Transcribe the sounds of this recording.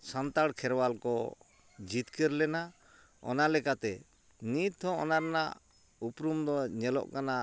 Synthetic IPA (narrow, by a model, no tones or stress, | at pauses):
sant̪aɽkʰɛɾwalkɔ | d͡ʒit̪kɛɾlɛna | ɔ̰nalɛkat̪ɛ | nit̪ɦɔ̃ɔ̰naɾɛna̰ʔ | upɾumd̪ɔɲɛlɔ̰ʔkana